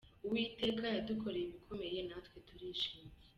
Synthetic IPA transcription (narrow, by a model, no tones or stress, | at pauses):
uwiːte̞kajadukʰo̞ɾeiβikʰome̞jenatkwe̞tuɾiːʃiːme